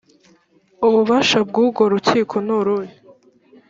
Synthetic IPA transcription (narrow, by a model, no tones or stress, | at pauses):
uβuβaʃabɡuːɡo̞ɾuciːkʰo̞nuɾuɾi